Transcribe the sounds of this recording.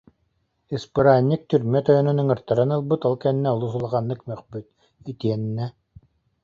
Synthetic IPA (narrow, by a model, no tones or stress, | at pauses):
ɯspɯɾaːnʲːik̚t̪yɾmɛt̪œjœnœnɯŋɯɾt̪aɾanɯlˠbɯt̪ɔlˠkɛnːɛɔlˠus̬ulˠaʁanːɯkmœχpyt̪̚ | it̪iɛnːɛ